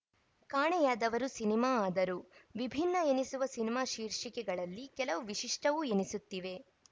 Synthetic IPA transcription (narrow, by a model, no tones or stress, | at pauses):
kaːɳɛjaːd̪ɐʋɐɾusinimaːaːd̪ɐɾuʋibʱinːɐenisuʋɐsinimaːʃiːɾʂikɛɡɐɭɐlːikɛlɐʋuʋiʃiʂʈɐʋuenisut̪ːiʋe̞